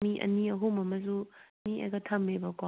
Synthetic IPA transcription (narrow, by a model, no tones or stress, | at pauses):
iʔɐ̰niɐɦumɐmɐzuniʔḛɡɐtʰambebɐka